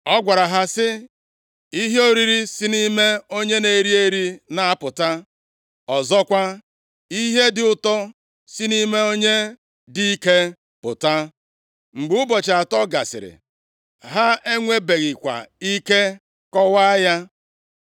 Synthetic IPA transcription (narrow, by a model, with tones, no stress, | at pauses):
ɔ˦ɡʷa˨ɾa˨ɦa˦sɪ˦ | i˦ɦo˦ɾi˨ɾi˦si˦ni˦me˦o˦ɲe˦ne˨ɾi˦e˦ɾi˦na˨a˦pʊ˨ta˦ | ɔ˨zɔ˦kʷa˦ | i˦ɦe˦dɪ˨ʊ˨tɔ˦ | si˦ni˦me˦o˦ɲe˦ | di˦i˦ke˦ | pʊ̰˨ta˦ | ŋ͡m̩˨ɡ͡bʊ˦bɔ˨t͡ʃa˨tɔ˦ɡa̰˨sɪ̰˨ɾɪ̰˨ | ɦa˦e˦ŋʷe˦be˨ɣɪ˨kʷa̰˨i˦ke˦ | kɔ˦wa˦ja˦